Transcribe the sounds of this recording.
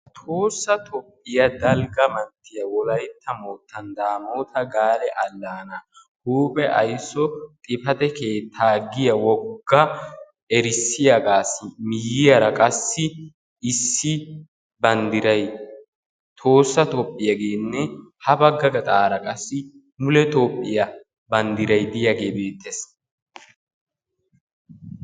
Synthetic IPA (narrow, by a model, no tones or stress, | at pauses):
t̪ʰo̞ːsːɐt̪ʰɔpʼːɪjɐd̪ɐlɡɐmɐnt̪ːɪjɐwɔlɐjt̪ːɐmoːt̪ʰːɐnd̪aːmoːt̪ʰɐɡaːlɛʔɐlːaːnɐ | huːpʼɛʔɐ̰jsːɔt̪ʼɪfɐt̪ɛkeːt̪ʰːaːɡɪjɐwɔɡːɐ | ɛɾɪsːɪjaɡaːsɪmɪjɪjɐɾɐkʼɐsːɪ | ɪsːɪ | bɐnd̪ɪɾɐj | t̪ʰo̞ːsːɐt̪opʼːɪjɐɡeːnːɛhɐbɐɡːɐɡɐt̪ʼaːɾɐkʼɐsːɪ | mʊlɛt̪oːpʼːɪjɐ | bɐnd̪ɪɾɐjd̪ɪjɐɡe̞ːbe̞ːt̪ʰːes